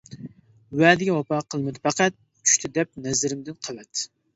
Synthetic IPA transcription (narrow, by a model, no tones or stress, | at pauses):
wɛd̪ɪɡʲɛwɑpɑqʰəlˠmɪd̪ɪfæqæt̪̚ | t͡ʃʰy̥ʃt̪ʰɪd̪ɛp̚nɛzɪɾɪmd̪ɪnqʰəwɛt̪